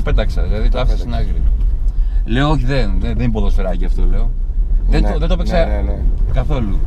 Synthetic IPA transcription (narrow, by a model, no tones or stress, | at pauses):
pe̞t̪ɐksɐðilɐðit̪ɐfsɐsinɐɣɾi | le̞ooçiðenðeðenipo̞ðosfeɾɐciɐft̪ole̞o | ðeoðet̪opessɐkɐθo̞lu